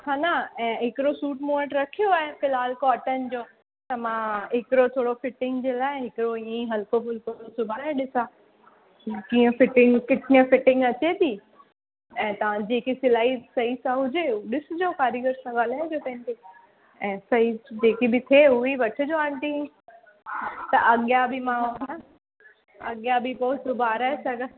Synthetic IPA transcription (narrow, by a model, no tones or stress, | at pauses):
kaːnaɛ̃ːɦɪkɪɾosuːʈmuːmə̃ɳʈɾɐkʰijoaːɦefɪlaːlkoɐʈənɪ̆d͡ʑoː | t̪ɐmãɦɪkɪɾot̪ʰoːɽofɪʈɪ̃ŋɡd͡ʑeːlaːɪɦɪkɪɾoiə̃ĩɦɐlkofʊlk̪oɾosʊbʱaaːeɗɪsaː | kiːə̃fɪʈɪ̃ŋɡkɪʈnə̃fɪʈɪ̃ŋɡɐt͡ɕet̪ʰiː | ɛ̃ːt̪ɐʋ̤ãd͡ʑeːkisɪlaːisɐisãɦʊd͡ʑeɗɪsʊd͡ʑoːkaːɾjəɡəɾsãɠaːl̤aːɪd͡ʑoːk̪ɐ̃ĩnt̪ʰi | ɛ̃ːsɐɦid͡ʑeːkibɪt̪ʰeʊeʋɐʈʰə̆d͡ʑoaːɳt̪ĩ | t̪ɐʔɐɠjabɪmãɦ | ɐ̰ɠjabɪpoːsʊbʱaːɾaːesɐɡə